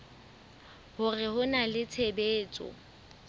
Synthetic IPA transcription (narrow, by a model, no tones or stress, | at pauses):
hʊrɪhʊnalɪt͡sʰebeːt͡sʼɔ̰